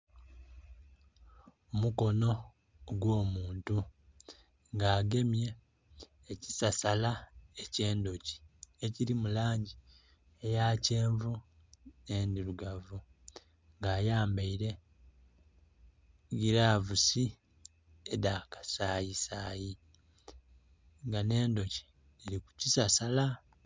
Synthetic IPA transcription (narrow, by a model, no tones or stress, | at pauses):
omuko̞no̞ | ɡwo̞ːmuːntu | ŋɡaːɡe̞mje̞ː | ci̥sasalaece̞ːndo̞ci̥e̞ciɾimulaːɲɟi | ejaːceːɱvu | ne̞ːndiɾuɡavu | ŋɡaːjaːmbaiɾe̞ | ɡiɾaːvusi | edaːkḁsaːjisaːji | ŋɡane̞ːndo̞ci̥ | iliku̥cisasala